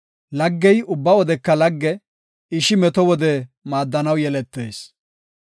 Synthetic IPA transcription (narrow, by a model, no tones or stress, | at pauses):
lɐɡːɛjʊbːɐwɔd̪ɛkːɐlɐɡːɛ | ɪʃɪmɛt̪ɔwɔd̪ɛmaːd̪ːɐnɐwjɛlɛt̪ːeːs